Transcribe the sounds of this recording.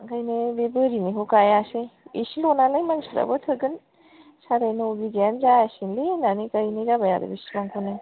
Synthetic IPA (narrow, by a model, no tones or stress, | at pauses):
ɡajnebebɯɾiniɦokajasejḭsilonalajmaŋsuɾa̰bɯtʰɯɡɯn | saɾajnɯobiɡanzaasinlinanikajniɾabaja̰da̰bisimaŋkʰonaj